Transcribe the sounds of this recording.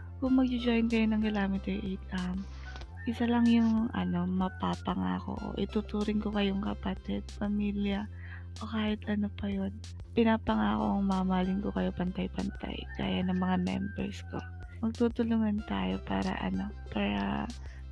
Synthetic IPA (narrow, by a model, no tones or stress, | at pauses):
kʊŋmɐɡ̚d͡ʒɪd͡ʒojnkɐjonɐŋɡɐlaːmɪt̪iʔet̪am | ʔɪsalɐŋjʊŋʔɐ̰no̞mɐpaːpɐŋa̰ːko̞̰ʔo̰ʔɪt̪ut̪uːɾɪnŋko̞kɐjoŋkɐpɐt̪ɛd̪̚pɐmiːljɐ | ʔo̞kaːhɪt̪ʔɐno̞pɐjo̞n | pɪnaːpɐŋaːko̞̰ʔɐŋmaːmaːlɪŋko̞kɐjo̞pɐnt̪ajpɐnt̪a̰jka̰ːjanɐŋmɐŋamɛ̰mbɛ̰ɹsko̰ | mɐɡ̚t̪uːt̪ʊlʊŋɐnt̪a̰ːjo̞pa̰ːɾɐ̰ʔɐ̰no̞ | paːɾɐ̰